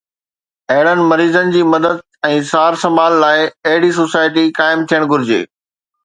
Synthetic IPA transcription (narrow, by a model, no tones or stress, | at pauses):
ɐɦɪɽənɪ̆mɐɾiːzənɪ̆d͡ʑiːmɐd̪əd̪̚ɛ̃ːsaːɾsɐmaːlːaːɪɐɦɪɽis̬oːsaːɪʈ̬ikaːɪmt̪ʰijəɽ̃ɡʱʊɾɪd͡ʑḛː